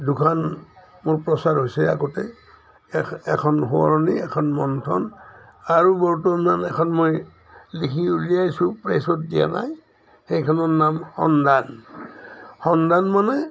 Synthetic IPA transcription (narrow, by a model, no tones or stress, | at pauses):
dukʰan | mʊɹpɹɔsaɹɦojsɛa̰ɡɔtɛ | ɛkʰɔnɦoɔ̰ɹɔniɛkʰɔnmɔntʰɔ̰n | aɹubɔɹutɔmanɛkʰɔnmoj | likʰiulijajsũpɹesɔt̚dija̰na̰j | xejkʰɔnɔɹnamhɔ̰ndan | hɔndanmanɛ